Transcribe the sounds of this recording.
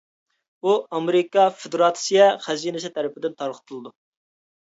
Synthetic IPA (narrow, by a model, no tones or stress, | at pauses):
uɑmeɾɪkɑfɪd̪ɾɑt̪sijɛχɛzinɨsɪt̪ʰɛɾɪpɪd̪ɪnt̪ʰɑɾqʰə̥t̪ʰɨlˠɨd̪u